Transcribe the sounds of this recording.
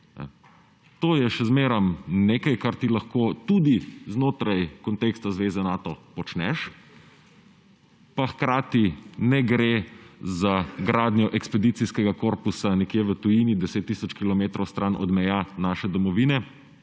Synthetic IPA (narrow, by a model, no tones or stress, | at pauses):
t̪oːjɛʃɛzmeːɾamneːkajkaɾt̪ilaxkoːt̪ud̪iznoːt̪ɾajkɔnt̪eːkst̪azʋeːzɛnaːt̪ɔpɔt͡ʃnɛʃ | paxkɾaːt̪inɛɡɾezaɡɾaːd̪nʲjɔʔɛkspɛd̪it̪siskɛɡakoːɾpusanɛkjeʋət̪ujinid̪ɛseːt̪ːisɔt͡ʃkilɔmeːt̪ɾɔwst̪ɾʔanʔɔ̰d̪mɛjanaʃɛd̪ɔmɔʋinɛ